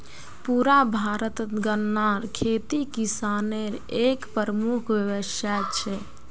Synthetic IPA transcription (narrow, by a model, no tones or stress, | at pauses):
puɾabʱaɾət̪ət̪ɡənːaɾkʰet̪ikisaneɾekpəɾəmukʰʋəʋəʃjat͡ʃʰɛ